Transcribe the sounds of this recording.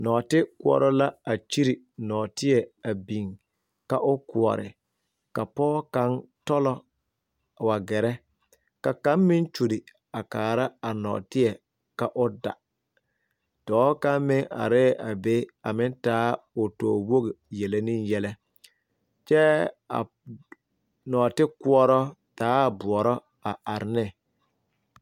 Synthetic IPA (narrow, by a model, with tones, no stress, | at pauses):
nɔː˨tɪ˦kʊ˦ɔ̰˨ɾɔ˦la˦a˨t͡ʃi˦ɾi˨ | nɔː˨tɪ˦ɛ˨a˨bi˨ŋ | ka˦ʔʊ˦ku˨ɔ̰˨ɾɪ̰˨ | ka˨pɔː˦ka˦ntɔ˦lɔ˦˨ | wa˨ɡɛ˨ɾɛ˦ | ka˨ka˨˦mmɪ˦nt͡ʃu˨dɪ˨ | a˨kaː˨ɾa˦a˨nɔ̰ː˨tɪ˦ɛ˨ | ka˨ʔʊ˦da̰˨ | d̥ɔː˨˦ka˦mɪ˦ŋa̰˨ɾɪː˦ʔa˨be˦a˨mɪ˦ntaː˦ʊ˨tɔ̰ː˨wo˦ɣɪ˨jɛ˨le˦ni˦njɛ˦lɛ˦ | t͡ʃɛ˦a̰˨ | nɔː˨tɪ˦ku˦ɔ˦ɾɔ˦ | taː˨˦˨bʊ˨ɔ˨ɾɔ˦ | a˨ʔa˨ɾɪ˨nɪ˦˨